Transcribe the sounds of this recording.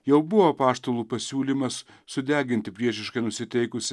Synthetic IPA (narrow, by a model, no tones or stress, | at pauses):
jɛʊbʊʋopɑːʃt̪oːlˠuːpɐsʲuːlʲimɐs | sʊd̪ʲæːɡʲɪnʲt̪ʲɪpʲɾʲiɛʃʲɪʃkɐɪnʊsʲɪt̪ʲɛɪkʊsʲ